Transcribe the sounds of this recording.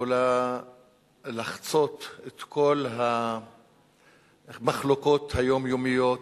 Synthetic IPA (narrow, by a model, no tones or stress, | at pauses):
ola | laχt͡so̞t̪et̪kʰo̞lɦa | maχloko̞t̪hajo̞mjo̞mijot